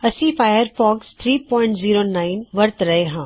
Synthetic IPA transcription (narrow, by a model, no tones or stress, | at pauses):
ɐsĩfaːjəɾfɔːkst̪ʰɾiːpɔ̃ːɪ̃ɳʈziːɾonaːɪnʋɐɾt̪ɾɐɦeɦãː